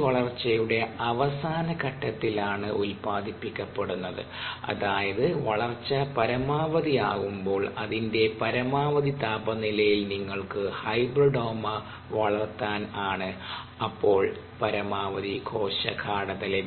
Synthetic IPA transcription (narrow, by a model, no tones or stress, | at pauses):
ʋɐɭɐrt͡ɕːɐjuɽe̞ɐʋɐsaːnɐkɐʈːɐt̪ːilaːɳɨʔulpaːd̪ipːikʲːɐpːeɽunːɐðɨ̰ | ɐ̰ðaːjɐðɨʋɐɭɐrt͡ɕːɐpɐɾɐmaːʋɐðiaːɣumbo̞ːɭɐðinde̞pɐɾɐmaːʋɐðit̪aːbɐnilɐjilniŋːɐɭkɨhɐjd̪rɨɖo̞ːmɐ | ʋɐɭɐrt̪ːaːnaːɳɨ | ɐpːo̞ːɭ | pɐɾɐmaːʋɐðikʰo̞ːɕɐ̰kʰaːɽɐðɐle